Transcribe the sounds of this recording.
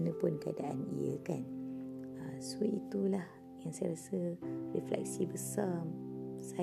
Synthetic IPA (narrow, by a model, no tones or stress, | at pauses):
nə̃pʊnkəa̰daʔa̰nḭə̰kan | əsuiʔ̪it̪ulah | jaŋsajaɾasəriflɛ̰k̚sibəsamsa